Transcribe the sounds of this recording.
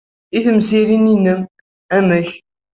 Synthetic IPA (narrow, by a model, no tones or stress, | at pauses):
iθəmsiɾininːəm | æməç